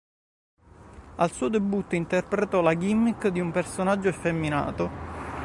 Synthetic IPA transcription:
alsuːod̪ebut̪ːoint̪erpɾet̪ɔlaɡimːikd̪iumpersonad͡ʒːoefemːina̰ːt̪o

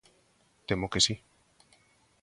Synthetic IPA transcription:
t̪emokesi

